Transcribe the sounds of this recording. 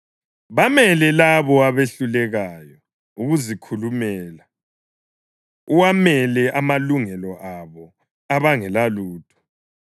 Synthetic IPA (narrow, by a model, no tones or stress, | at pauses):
βamɛlɛlaβɔaβeɬulɛɣajɔ | uɣuzikʰulumɛːla | uwamɛlɛʔamaluŋɛlɔʔaβɔ | aβaŋɛlaluːtʼɔ̥